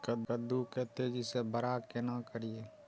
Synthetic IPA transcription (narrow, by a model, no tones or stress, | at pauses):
kəd̪kəd̪uket̪ed͡ʒisebəɾakenakəɾie